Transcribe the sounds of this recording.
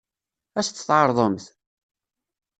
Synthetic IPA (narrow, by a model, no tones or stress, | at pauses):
æst̪ːθʕɑɾˤðˤəmθ